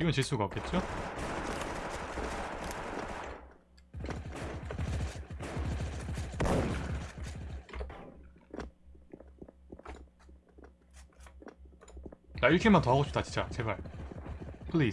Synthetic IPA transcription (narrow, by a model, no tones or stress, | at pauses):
iɡʌnt͡ɕis͈uɡaʌk͈e̞t̚t͡ɕ͈o | t͡ɕaiɾʌkʰemant̪ʌɦaɡoɕʰi̥p̚t͈at͡ɕi̥t͡ɕ͈at͡ɕebaɭ | pʰɯɭi